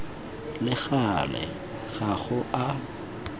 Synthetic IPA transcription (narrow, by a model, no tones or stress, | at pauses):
lɪɣalɛ̰ | ɣaɣʊʔa